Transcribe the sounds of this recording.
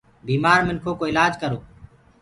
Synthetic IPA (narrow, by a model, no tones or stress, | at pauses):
biːmaːɾmɪnkʰoːkoːɪlaːd͡ʒkəɾoː